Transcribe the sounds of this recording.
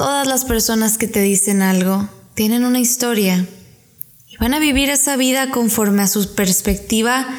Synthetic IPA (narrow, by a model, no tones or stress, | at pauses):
t̪o̞ðazlaspe̞ɾso̞naske̞t̪e̞ðise̞nalɣo̞t̪je̞ne̞nunaist̪o̞ɾja | iβanaβiβiɾe̞saβ̞iðako̞ɱfo̞ɾme̞asupe̞ɾspe̞k̚t̪iβa